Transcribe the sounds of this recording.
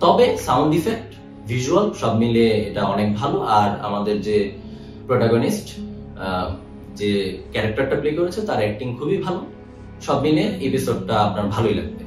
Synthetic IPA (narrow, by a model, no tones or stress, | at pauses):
t̪ɔbesawɳɖifek̚ʈ | vʱiʃualʃɔbmileeʈaɔnekbʱaloaɾa̰mad̪eɾd͡ʑe | pɾoʈaɡonisʈ | d͡ʑekɛɾak̚ʈaɾʈaplekoɾet͡ɕʰet̪aɾɛk̚ʈiŋkʰubibʱalo | ʃɔbmileepisoɖ̚ʈaapnaɾbʱaloila̰ɡ̚be